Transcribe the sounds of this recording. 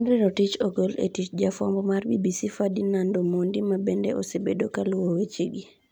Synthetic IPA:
nɾɪɾɔtit͡ʃoɡolḛtit͡ʃd͡ʒafɔmbɔmarbḭbisifadinandomondimabendɛʔo̰sebedokalʊwowet͡ʃiɡi

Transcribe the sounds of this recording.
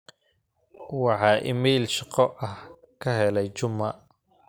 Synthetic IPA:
wɑħɑːʔɪ̰mɛːlʃɑqɔʔɐh | kʰɐɦɛlɛjt͡ʃʊmːɐ

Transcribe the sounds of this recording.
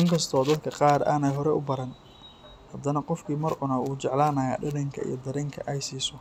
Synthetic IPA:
ʔɪŋkʰɐst̪ʰɔːd̪ɐd̪kʰɐqɑːɾa̰ːnɛjɦɔɾɛʔʊ̰bɐɾɐn | hɐd̪ɐnɐqɔfkʰiːmɐrʕʊnɐwuːt͡ʃɛʕlaːnɐːja̰ːɖɐɽɐŋkʰɐ̰ḭjɞd̪ɐɾɛŋkʰɐʔɛjsiːsɔ

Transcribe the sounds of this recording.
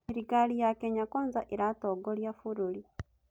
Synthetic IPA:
iɾiɡalijakeɲakoːnzaʔeɾatoɡoljafuɾuli

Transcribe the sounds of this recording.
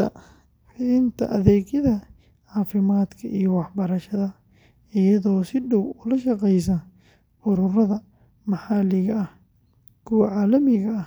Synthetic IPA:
ɐ | ħɪðɪnt̪ʰɐ̰ʔɐðɛːɣjɐðɐ | ʕaːfɪmaːd̪kʰɐʔijɔwɑħbɐɾɐʃɐðɐ | ɪjɐðɔːsɪɖɔwʊlɐʃɐqɛjsɐ | ʊɾʊrɐðɐ | mɑħɑːlɪɣɐɐh | kʰʊwɐʕaːlɐmɪɣɐɐ

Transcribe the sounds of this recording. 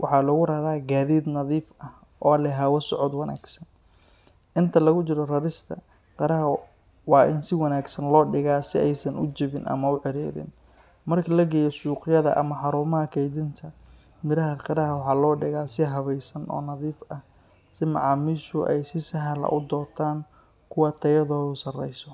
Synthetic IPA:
wʔɑ̰ħɑːlɐɣʊrɐɾaːɡaːðiːd̪nɐðiːfɐh | ʔɔːlɛɦawɐsɔʕɔd̪wɐna̰ːɡsɐn | ʔɪnt̪ʰɐlɐɣʊt͡ʃɪɾɔrɐɾɪst̪ʰɐ̰ | qɑɾɐɦɐ | wɑːʔɪnsɪwɑnaːɡsɐnlɔːɖɪɣaːsɪɛjsɐnʊt͡ʃɪβɪnʔɐ̰mɐʊʕɪɾiːɾɪ̰n | mɐrkʰɐlɐɡɛjɔsuːqɪjɐðɐ̰ʔɐ̰mɐħɑɾuːmɐɦɐkʰɛjd̪ɪnt̪ʰɐ | mɪɾɐɦɐqɑɾɐɦwɑħɑːlɔːɖɪɣaːsɪɦɐβɛjsɐnʔɔ̰ːnɐðiːfɐh | sɪmɑ̰ʕɑːmɪsʊʔɛjsɪsɐɦɐlɐ̰ʔʊd̪ɔːrt̪ʰaːŋ | kʰʊwɐt̪ʰɐjɐðɔːðʊsɐrɛ̰jsɔ

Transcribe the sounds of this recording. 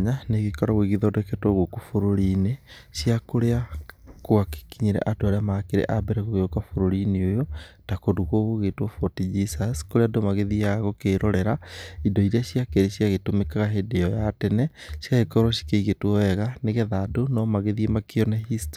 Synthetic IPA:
ɲaneɣekɔɾaweɣiðɔdɛkɛtwɔɣokofoɾoɾineɕiakoɾeakwake̥kiɲeɾɛ̰ʔatoaɾeamakeɾɛ̰ʔabɛɾɛɣoɣeokafoɾoɾineojotakoduɣoɣoɣetwɔfɔtid͡ʒisaskoɾeadomaɣeðijaɣɔkeːɾɔɾɛɾaidɔiɾeaɕjakɛɾeɕiaɣetomekaɣaɦedeɔjatɛnɛɕiaɣekɔɾwɔɕi̥keiɣetwɔɛɣaneɣɛðadonɔmaɣeðiemakeɔnɛɦist

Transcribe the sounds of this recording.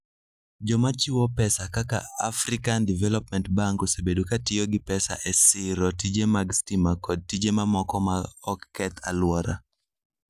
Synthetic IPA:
d͡ʒɔmat͡ʃiwɔpɛsakaka̰afɾɪkandivɛlɔp̚mɛntbaŋkosebedukatɪɔɡɪpɛsa̰ʔɛsɪɾɔtid͡ʒemaɡstimakɔd̚tid͡ʒemamɔkɔmaɔkːɛt̪ʰa̰lwɔɾa̰

